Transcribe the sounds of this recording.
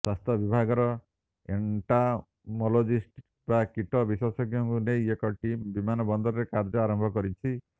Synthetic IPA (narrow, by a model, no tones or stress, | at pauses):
swast̪ʰɔbibʱaɡɔɾɔ | ḛɳʈa | mɔlod͡ʒisʈ | bakiʈɔbiswɔsɔɡjɔŋkunejekɔʈimbimanɔbɔnd̪ɔɾɔɾekaɾd͡ʒɔaɾɔmbʱɔkɔɾit͡ʃʰi